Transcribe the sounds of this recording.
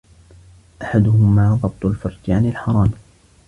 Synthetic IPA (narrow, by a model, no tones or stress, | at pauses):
ʔaħad̪ʊhʊmaːðˤɑb̚t̪ˤʊlfʊɾˤd͡ʒaʕanɪlħɑɾˤɑːm